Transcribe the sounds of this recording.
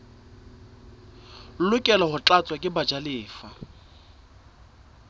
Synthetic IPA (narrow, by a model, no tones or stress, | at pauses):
lʊkʼɛlɔhʊt͡ɬʼat͡sʼwakʼɪbad͡ʒalɪːfa